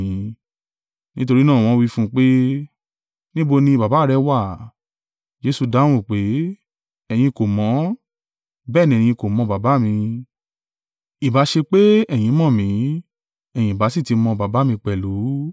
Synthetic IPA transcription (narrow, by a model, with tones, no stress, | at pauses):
ĩ˨˧ | nĩ˦to˧ɾi˦nãː˦˨w̃ɔ̃˧wi˦fũ˦k͡pe˦ | nĩ˦bo˧nĩ˧ba˨ba˨˦˨ɾɛ˧wa˦˨ | d͡ʒe˨˧˦su˧dã˦ũ˦˨k͡pe˨˦ | ɛ˨j̃ĩ˧ko˨mɔ̃˨˦ | bɛː˦˨nĩ˧ɛ˨j̃ĩ˧ko˨mɔ̃˧ba˨ba˨˦mĩ˧ | i˨ba˨˦ʃe˧k͡pe˦ɛ˦˨j̃ĩ˨˧˦mɔ̃˦˨mĩ˨˦ | ɛ˨j̃ĩ˨ba˨˦si˦˨ti˨˧mɔ̃˧ba˨ba˨˦mĩ˧k͡pɛ˨lu˨˦